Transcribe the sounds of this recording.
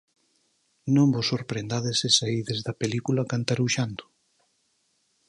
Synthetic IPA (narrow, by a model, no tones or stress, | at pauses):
nõmbosːoɾpɾend̪aðesesaiðezðɐpelikulɐkant̪aɾuʃand̪ʊ̥